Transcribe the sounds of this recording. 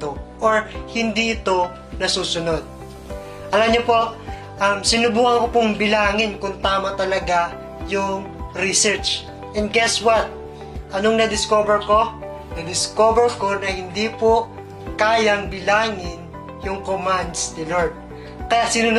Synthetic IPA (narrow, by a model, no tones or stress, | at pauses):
t̪oʔoɹhɪnd̪iʔɪt̪o̞ | nɐsuːsʊno̞d̪̚ | ʔɐlamɲopo̞ʔ | ʔɐmsɪnʊbuːhɐŋkopʊŋbɪlaːŋɪnkʊnt̪aːmɐt̪ɐlɐɡa | jʊŋ | ɾisɛɹt͡ʃ | ʔɛnd̪̚ɡɛswɐt̪̚ | ʔɐnoŋnɐd̪ɪskoːbɛɹko̞ | nɐd̪ɪskoːbɛɹko̞nɐhɪnd̪ipo | kaːjɐŋbɪlaːŋɪn | jʊŋkomand̪st̪ɪloɹd̪̚ | kɐjat̪sɪnu